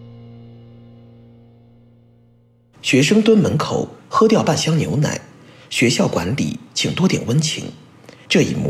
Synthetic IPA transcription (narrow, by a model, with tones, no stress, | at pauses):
ɕɥɛ˧˥ʂɤ˥ŋt̪wə˥nmə˧˥nkʰo˨˩ʊxɤ˥t̪jɑ˥˧ʊpa˥˩nɕjɑ˥ŋnjo˧˥ʊna̰˨˩˦ɪ | ɕɥɛ˧˥ɕjɑ˥˩ʊkwa˧˥nlḭ˨˩˦t͡ɕʰi˨˩ŋt̪wɔ˥t̪jɛ̰˨˩nwə˥nt͡ɕʰḭ˧˥ŋ | ʈ͡ʂɤ˥˩ḭ˨˩mṵ˥˩